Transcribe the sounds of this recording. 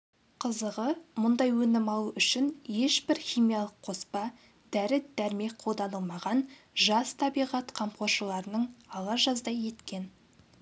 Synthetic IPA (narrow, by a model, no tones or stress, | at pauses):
qʰəzəʁəmʊnd̪ɑjwɵnɪmɑlˠuʔʏʃɪnje̞ʃbɪɾχʲijmijɑlˠəqʰo̞spɑ | d̪̥æɾɪd̪̥æɾme̞k̚qʰo̞lˠd̪ɑnəlˠmɑʁɑn | ʒɑst̪ʰɑbijʁɑt̪qʰɑmqo̞ɾʃəlˠɑɾənəɴɑlˠɑʒɑzd̪ɑjje̞t̪kʲe̞n